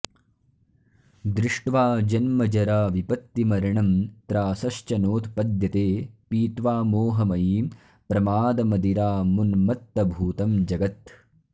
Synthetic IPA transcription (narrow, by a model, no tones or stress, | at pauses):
d̪ɾɪʂʈʋaːd͡ʒɐnmɐd͡ʒɐɾaːʋipɐt̪ːimɐɾɐɳɐmt̪ɾaːsɐʃt͡ʃɐnoːt̪pɐd̪jɐt̪eːpiːt̪ʋaːmoːɦɐmɐjiː | pɾɐmaːd̪ɐmɐd̪iɾaːmunmɐt̪ːɐbʱuːt̪ɐmd͡ʒɐɡɐt̪